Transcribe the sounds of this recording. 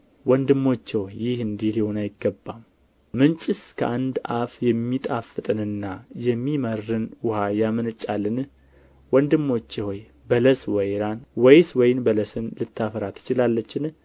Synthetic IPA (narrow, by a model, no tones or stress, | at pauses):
wɔnd̪ɨmːo̞t͡ʃːɛwjɪhɨnd̪ihihonajɪɡːəbːamː | ɨnt͡ʃʼɪskʰə̰ʔand̪ʔafjɛmːit̪ʼafɨt̪ʼɨnɨnːajɛmːimərːɨnwʊhajamɨnɨt͡ʃʼːalːɨn | wɔnd̪ɨmːo̞t͡ʃːɛhoj | bələswɔjɾanwɔjswɔjnbələsɨnlɨt̪ʰːafəɾat̪ʰɨ̥t͡ʃɪlalːət͡ʃːɪn